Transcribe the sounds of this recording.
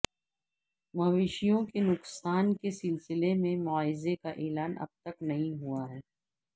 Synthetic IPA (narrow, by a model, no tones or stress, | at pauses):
mɐʋeːʃijõkenʊksaːnkesɪlsɪlemẽmʊaːɪzekaʔeːlaːnʔɐ̰b̚t̪ɐknɐɦĩɦuaɦɛː